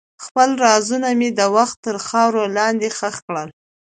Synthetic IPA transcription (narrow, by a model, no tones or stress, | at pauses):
xpəlɾɑzunamed̪əwaxt̪ːəɾxɑwɾolɑnd̪exəxkɽəl